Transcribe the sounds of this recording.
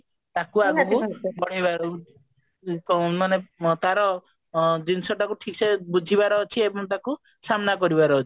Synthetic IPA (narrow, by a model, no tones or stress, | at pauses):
t̪akuaɡkubɔɽ̃ibaɾ | manet̪aɾɔ | dinsɔʈakuʈʰiksebud͡ʒʱibaɾɔːt͡ʃʰiebɔŋt̪̬aku | samnakɔɾibaɾɔːt͡ʃʰi̥